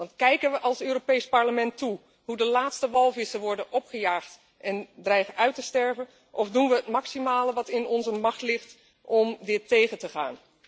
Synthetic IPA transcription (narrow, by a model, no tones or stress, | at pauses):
ʋɑntkɛjkənʋəʔɑlˠsøːropejspɑɹləmɛntu | ɦudəlaːtstəʋɑlˠvɪsəʋɔɹdənʔɔpχəjaːχt | ʔɛndrɛjχəʔœɥtəstɛɹvən | ʔɔfdunʋəɦətmɑksimaːləʋɑtɪnɔnzəmɑχtlɪχt | ʔɔmdɪtejχəntəχa̰ːn